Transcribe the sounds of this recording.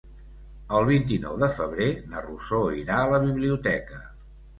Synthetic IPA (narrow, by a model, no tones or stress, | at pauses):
əlˠβ̞int̪inɔ̰wðəfəβ̞ɾenərusoiɾaələβiβliut̪ɛkə